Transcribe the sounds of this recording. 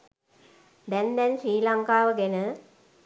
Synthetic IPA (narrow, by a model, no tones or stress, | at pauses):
d̪ɛnd̪ɛnʃɾiːlaŋkaːʋəɡenə